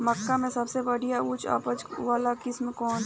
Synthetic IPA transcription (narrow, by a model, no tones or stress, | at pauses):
mɐkːamẽsɐbsebɐɽijaʊt͡ʃa̰ːpət͡ʃʋaːlakɪsmkɔːn